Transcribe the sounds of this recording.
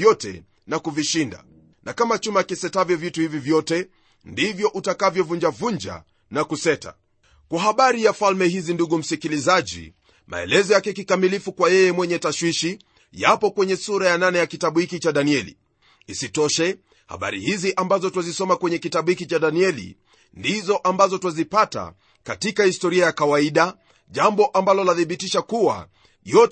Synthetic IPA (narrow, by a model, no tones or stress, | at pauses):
ɔtɛ̰ | nakuviʃinda̰ | nakamat͡ʃumakisɛtavjɔvjituhivivjɔtɛ | ndivjɔʔutakavjɔvuɲd͡ʒavuɲd͡ʒa̰ | nakusɛta̰ | kwaɦaɓaɾijafalmɛhizinduɠum̩sikilizaʄḭ | ma̰ɛ̰lɛzɔjakɛkikamilifukwajɛjɛmwɛɲɛtaʃwiʃi | japɔkwɛɲɛsuɾajananɛjakitaɓuhikit͡ʃaɗaniɛlḭ | isitɔʃɛ | ha̰ɓa̰ɾḭhiziʔambazɔtuwazisɔmakwɛɲɛkitaɓuhikit͡ʃaɗaniɛlḭ | ndizɔʔambazɔtwazipata̰ | katikahistɔɾiajakawaiɗa | ʄambɔʔambalɔlaθiɓitiʃakuwa̰ | jɔ